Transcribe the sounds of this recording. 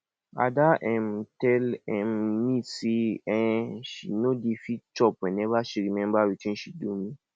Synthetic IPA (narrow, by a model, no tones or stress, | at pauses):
a̰daʔɛ̃mtɛlɛ̃mːisiɛ̃ʃinodifit͡ʃɔpwɛ̃nɛvaʃiɾimɛ̃mbawitĩnʃidumĩ